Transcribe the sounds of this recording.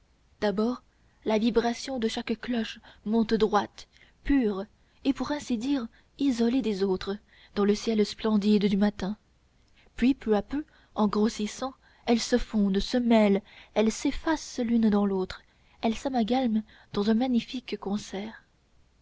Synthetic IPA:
d̪̥abɔːʁ | lavibʁasjɔ̃d̪əʃakklɔʃmɔ̃t̪d̪ʁwat̪ | pyːʁ | epuʁɛ̃sid̪iʁ | izɔled̪ezot̪χə | d̪̥ɑ̃ləsjɛlsplɑ̃d̪id̪d̪ymat̪ɛ̃ | pɥipøapø | ɑ̃ɡʁosisɑ̃ | ɛlsəfɔ̃d̪səmɛlɛlsefaslynd̪ɑ̃lot̪χ | ɛlsamaɡalm | d̪̥ɑ̃zɛ̃maɲifikːɔ̃sɛːʁ

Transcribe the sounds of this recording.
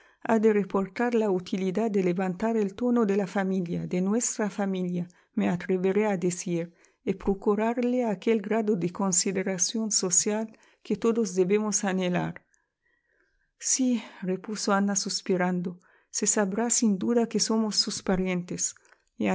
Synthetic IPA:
ad̪erepoɾt̪aɾlaut̪ʰilid̪ad̪eleβant̪aɾelt̪onod̪elafamiljad̪enwest̪ɾafamilja | meat̪ɾeβeɾead̪esiɾ | epɾokuɾaɾleakelɡɾaðod̪eko̞nsiðeɾasjo̞nso̞sjal | ket̪oðozd̪eβemosanela̰ɾ | sirepusoanasuspiɾand̪o | sesaβɾasind̪uðakeso̞mosːuspaɾjent̪es | e

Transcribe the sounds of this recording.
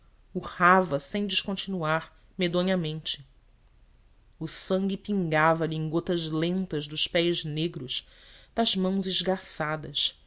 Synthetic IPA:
uhavɐsẽj̃d͡ʒɪʃkõnt͡ʃinuaɾ | med̪õɲɐmẽnt͡ʃɪ | ʊsɐ̃ŋɡʲipĩŋɡavɐʎɪẽŋɡot̪ɐzlẽnt̪ɐʒd̪ʊʃpɛjzneɡɾʊʃd̪̥ɐzmɐ̃w̃zɪʒɡasad̪ɐʃ

